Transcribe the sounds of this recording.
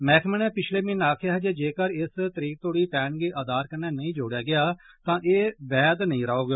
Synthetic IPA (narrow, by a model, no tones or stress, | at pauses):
mɛ̃ːkʰmənɛːpɪt͡ʃʰleːmɪnaːkʰjaːɦɛːd͡ʒeːd͡ʒeːkəɾɪst̪əɾiːk̚t̪oːɽiːpɛːɳɡeːʔəd̪aːɾkənːɛːnəĩːd͡ʒoːɽjaːɡɪjaː | t̪ãːʔeːbɛːd̪nəĩːɾaːoːɡ